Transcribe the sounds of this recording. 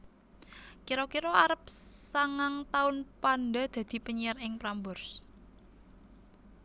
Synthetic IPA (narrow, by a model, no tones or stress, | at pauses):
kiɾokiɾoaɾəp̚saŋaŋt̪aʊnpanɖa̤d̪̥a̤d̪̥i̤pəɲiarɪŋpɾambʊrs